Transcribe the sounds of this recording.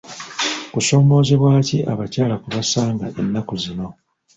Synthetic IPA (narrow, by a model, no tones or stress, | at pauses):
kuso̞ːmo̞ːzeβwaːciʔaβacaːlakuβasaːŋɡaʔe̞nːakuzino̞